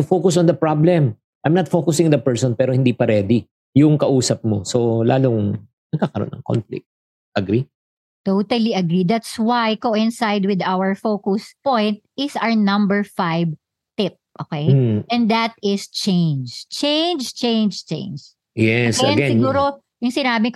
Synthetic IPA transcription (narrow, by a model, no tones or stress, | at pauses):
t̪ʊfokʊsɔ̃nd̪ɐpɹablɛm | ʔajmnɐt̪̚fokʊsɪ̃ŋnd̪ɐpɛɹsɔnpɛːɾohɪnd̪ipɐɾɛːd̪i | jʊŋkɐʔuːsɐp̚mosola̰ːlʊŋ | nɐɡ̚kaːkɐɾo̰nɐ̰ŋko̰nflɪ̰k̚t̪̚ | ʔɐɡɾi | t̪owt̪ɐliʔɐɡɾid̪at̪swajkoːʔɪ̃nsajd̪wɪd̪awəɹfokʊspɔ̃jnt̪̚ɪsaɹnɐ̃mbɛɹfajb | t̪ɪp̚ʔo̰ːkejʔɛ̃nd̪ɐt̪̚ɪst͡ʃẽnd͡ʒt͡ʃẽjnd͡ʒt͡ʃẽjnd͡ʒt͡ʃḛ̃jnd͡ʒ | jɛsɐɛ̃nɡɛɪɡuːɾo | jʊŋsɪnaːbɪk